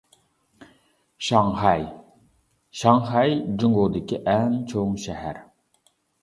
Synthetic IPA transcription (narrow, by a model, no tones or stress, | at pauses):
ʃɑŋhɑj | ʃɑŋhɑjd͡ʒuŋɡod̪ɪkʲiʔɛnt͡ʃʰoŋʃɛɦæɾ